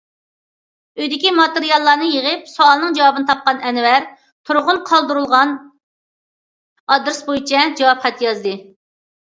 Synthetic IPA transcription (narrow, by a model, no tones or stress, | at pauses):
øjd̪ɪkʲimɑt̪eɾijɑlˠːɑɾnɨjeʁəp̚soɑlˠnɨŋd͡ʒɑwɑbɨnɨt̪ʰɑp̚qɑnɛnwæɾ | t̪ʰuɾʁʊnqʰɑlˠd̪uɾulˠʁɑn | ɑd̪ɾɨsbojit͡ʃʰɛd͡ʒɑwɑpχɛt̪ʰːjɑzd̪ɨ